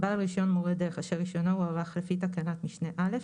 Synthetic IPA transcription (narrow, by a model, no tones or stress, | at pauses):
ballʁiʃo̞nmoʁed̪eʁeχaʃeiʃonouavaχlefit̪akanat̪miʃneʔale̞f